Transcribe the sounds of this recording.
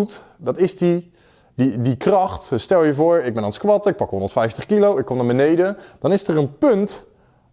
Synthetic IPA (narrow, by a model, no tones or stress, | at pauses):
tdɑtɪzdi | didikrɑχtstɛlˠjəvʊːɹɪɡ̚bɛnɑnskʋɑtəɪk̚pɑkɦoɔndəɹtfɛjftəχkilowɪkːomnaːbənejdəd̥ɑnɪstərənpɵnt